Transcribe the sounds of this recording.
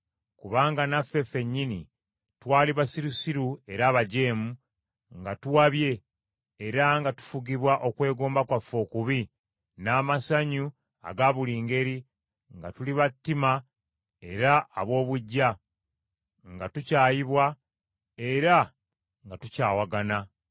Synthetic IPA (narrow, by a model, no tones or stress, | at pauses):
kuβaːŋɡanafːe̞fe̞ɲːinḭ | twaːliβasiɾusiɾue̞ɾaːβaɟe̞ːmu | ŋɡatuwaβje̞ː | ɾaŋɡatu̥fuɡiβwaʔo̞kwe̞ːɡoːmbakwafo̞kuβi | naːmasaɲu | a̰ɡaβuliːŋɡe̞ɾi | ŋɡatuliβatːima | e̞ɾaːβo̞ːβuɟːa | ŋɡatucaːjiβwa | eɾa | ŋɡatucaːwaɡana